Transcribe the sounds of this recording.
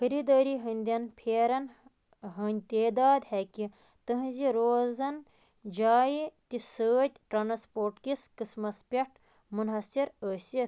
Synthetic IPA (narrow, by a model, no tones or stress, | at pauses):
xɐɾid̪ɐːɾiɦɐnʲd̪ʲɐnpʰeːɾɐn | ɦənʲt̪eːd̪aːd̪hɛkʲi | t̪ɐɦziɾoːzɐn | d͡ʒaːit̪isəːt̪ʲʈɾanspoːɾʈkiskismɐspʲeʈʰ | munɦɐsiɾəːsi